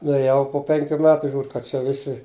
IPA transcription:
nʊeːˈjɛʊ poː ˈpʲɛŋʲkʲuː ˈmʲæːtʊ ˈʒʲuːr kɐt ˈt͡ʃʲɛ ˈʋʲɪsʲɪ

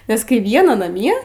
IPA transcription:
nʲɛs ˈkɐɪ ˈʋʲiɛnɐ nɐˈmʲiɛ

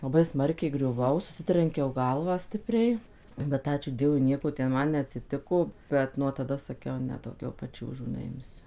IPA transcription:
lˠɐˈbɐɪ ˈsmɐrʲkʲɛɪ ɡrʲʊˈʋɐʊ sʊˈsʲɪtʲrʲɛŋʲkʲɛʊ ˈɡɐlˠʋɑː ˈsʲtʲɪpʲrʲɛɪ bʲɛt ˈɑːt͡ʃʲuː ˈdʲiɛʋʊɪ ˈnʲiɛkoː tʲɛn ˈmɐn nʲɛɐtʲsʲɪˈtʲɪkoː ˈbʲɛt nuɔ tɐˈdɐ sɐˈkʲɛʊ ˈnʲɛ dɐʊˈɡʲɛʊ pɐˈt͡ʃʲuːʒuː nʲɛˈɪmʲsʲʊ

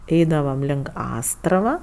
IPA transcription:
ˈɛɪdɐʋɐm lʲɪŋk ˈɑːstrɐʋɐ

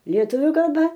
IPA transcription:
lʲiɛˈtʊʋʲʊ kɐlˠˈbɐ

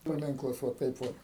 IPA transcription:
pɐˈmʲɪŋklˠɐs ʋoː ˈtɐɪp ˈʋoːt

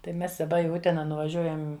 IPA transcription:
tɐɪ ˈmʲɛs dɐˈbɐ ɪ ˈʊtʲɛnɐ nʊʋɐˈʒʲuɔjɛm

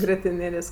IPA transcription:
ɡrʲiɛtʲɪˈnʲeːlʲeːsʲ

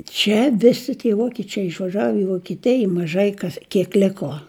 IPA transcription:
ˈt͡ʃʲɛ ˈʋʲɪsʲɪ tʲiɛ ˈʋoːkʲɪt͡ʃʲɛɪ ɪʃʋɐˈʒɐw ɪ ʋoːkʲɪˈtʲɪj ɪ mɐˈʒɐɪ ˈkɐs kʲiɛk ˈlʲɪkoː

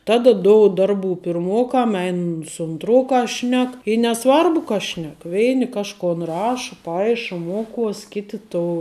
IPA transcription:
ˈtɑːdɐ ˈdoːʊt ˈdɐrˌbuː pʲɪrˈmoːkɐm ˈɛɪn sʊ ʊnˈtroːkɐs ˈʃʲnʲɛk ɪ nʲɛˈsʋɐrbʊ kɐ ˈʃʲnʲɛk ˈʋʲɛɪnʲɪ ˈkɑːʃkoːn ˈrɑːʃɐ ˈpɐɪʃɐ ˈmuɔˌkuɔs ˈkʲɪtʲɪ toː

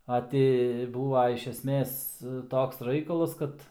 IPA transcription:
ɐ ˈtʲɪ ˈbuːʋɐ ɪʃ ɛsʲˈmʲeːs ˈtoːks ˈrɐɪkɐlˠɐs ˈkɐt

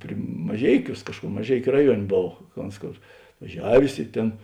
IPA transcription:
pʲrʲɪ mɐˈʒʲɛɪˌkʲuːs ˈkɑːʃkʊr mɐˈʒʲɛɪkʲʊ ˈrɑːˌjuɔnʲ ˈboːw kɐ ˈoːns ˈkoːr ɐtʋɐˈʒʲæːʋʲeːs ɪ ˈtʲeːn

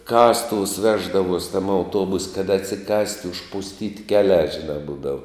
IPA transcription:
ˈkɑːstʊʋʊs ˈʋʲæːʒdɐʋuɔsʲ tɐm ɐʊˈtuɔbʊsʲ kɐt ɐtʲsʲɪˈkɐsʲtʲ ʊʃpʊsʲˈtʲiːtʲ ˈkʲæːˌlʲæː ˈʒʲɪˌnɑː ˈbuːdɐʋʊ

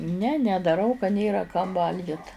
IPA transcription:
nʲɛ nʲɛdɐˈrɐʊ kɐ ˈnʲeːrɐ kɐm ˈʋɐlʲɡʲɪt

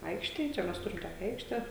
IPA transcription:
ˈɐɪkʃʲtʲeːj ˈt͡ʃʲɛ ˈmʲɛs ˈtʊrʲɪm ˈtoːkʲɛ ˈɐɪkʃʲtʲɛ

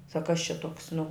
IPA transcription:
sɐk kɐs t͡ʃʲɛ ˈtuɔks nʊ

